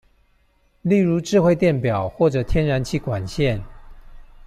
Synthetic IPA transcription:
li˥˩ɻu˧˥ʈ͡ʂɻ̩˥˧xwe˥˧ɪt̪jɛ˥˩npjɑ˨˩ʊxwɔ˥˩ʈ͡ʂɤ˨˩t̪ʰjɛ˥nɻa˧˥nt͡ɕʰi˥˩kwa˨˩nɕjɛ˥˨n

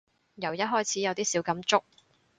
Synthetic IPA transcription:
jɐ˨˩wjɐ˥ɦɔː˥jt͡sʰiː˨˥jɐ˨˧wt̪iː˥siː˨˥wkɐ˨˥mt͡sʊ˥k̚

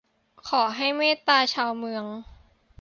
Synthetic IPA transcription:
kʰɔː˩˦ɦa˥˩jmeː˥˩t̪aː˧t͡ɕʰaː˧wmɯ˧əŋ

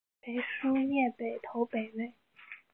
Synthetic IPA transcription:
pe˧˥ɪʂu˥mjɛ˥˩pe˨˩ɪt̪ʰo˧˥ʊpe˨˩ɪwe˥˩ɪ

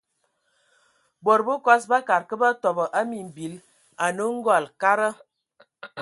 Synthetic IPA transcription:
bo˨ɾbə˦kɔ˦s̬ba˦ka˨ɾkə˦ba˦tɔ˨bə˨ʔa˦mi˨m̩˨bi˨˦l | a˨nə˦ŋ̩˦ɡɔ˦˨lka˦ɾə˦

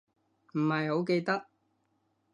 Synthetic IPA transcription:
m̩˨˩hɐ˨jɦo˨˥wke˧jt̪ɐ˥k̚

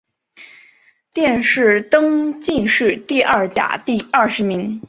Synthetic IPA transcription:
t̪jɛ˥˧nʂɻ̩˥˩t̪ɤ˥ŋt͡ɕi˥˧nʂɻ̩˥˩t̪i˥˧ʔɐ˥˩t͡ɕja̰˨˩t̪i˥˧ɐ˥˩ʂɻ̩˧˥mi˧˥ŋ

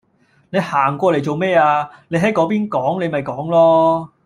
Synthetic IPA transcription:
ne˨˧jhaː˨˩ŋkʷɔː˧le˨˩jt͡so˨wmɛː˥aː˧ne˨˧jɦɐ˨˥jkɔː˨˥piː˥nkɔː˨˥ŋne˨˧jmɐ˨jkɔː˨˥ŋlɔː˥

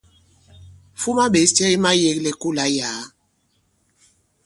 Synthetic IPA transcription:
fu˦ma˦ɓe˨˦ssi˦ɛ˦i˦ma˦je˨˦klɛ˨ku˦˨la˨˦jaː˨˦

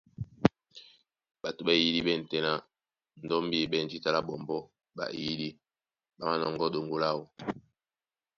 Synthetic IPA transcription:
ba˨tu˨ɓa˦˨ji˦li˦bɛ˦n̩˨tɛ˨na˦ | n̩˨dɔ˦mbi˦˨bɛ˦˨n˨d͡ʒi˦ta˦la˦bɔ˨mbɔ˦ | ba̰˨ʔji˦li˦ | ba˨ma˦nɔ˨ŋɡɔ˦do˨ŋɡo˦la˦˨wɔ˨

